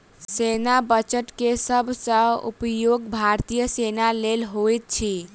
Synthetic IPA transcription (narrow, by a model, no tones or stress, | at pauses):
senabət͡ʃəʈkesəbʱsə̃ṵpjoɡbʱaɾt̪ijəsenalelɦojt̪̚t͡ʃʰi